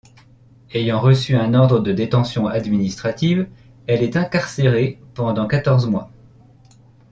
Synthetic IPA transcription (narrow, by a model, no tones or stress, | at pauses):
ejɑ̃ʁəsyɛ̃nɔʁd̪ʁəd̪əd̪et̪ɑ̃sjɔ̃ad̪minist̪χat̪iv | ɛlɛt̪ɛ̃kaʁseʁepɑ̃d̪ɑ̃kat̪ɔʁzmwa̰